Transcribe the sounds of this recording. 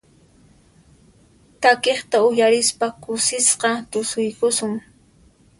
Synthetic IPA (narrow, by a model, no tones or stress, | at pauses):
t̪akeχt̪aʊjaɾɪspakʊsɪsqɑt̪ʊsʊjkʊsʊŋ